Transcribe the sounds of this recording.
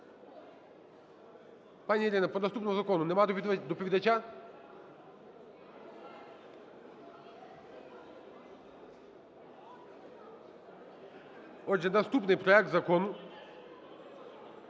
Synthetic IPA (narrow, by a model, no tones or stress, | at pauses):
panʲɛlʲɛnapɔd̪ast̪upnɔzakɔnunɛmad̪p̪d̪ɔpivid̪at͡ʃa | ɔd͡ʒɛd̪ast̪upnejpɾɔɛk̚t̪zakɔnu